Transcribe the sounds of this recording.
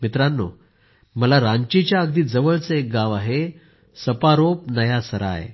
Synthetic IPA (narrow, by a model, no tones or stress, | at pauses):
mit̪ɾanːo̰ | məlaɾãɲt͡ɕit͡ɕjaəɡd̪iːd͡zəʋəɭt͡səek̚ɡãʋaɦe | səpaɾopnəjasəɾa̰j